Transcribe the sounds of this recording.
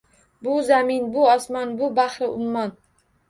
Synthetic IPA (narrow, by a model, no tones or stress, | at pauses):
bʊzamɪnbʊɒsmɒnbʊbahɾɪʊmːɒn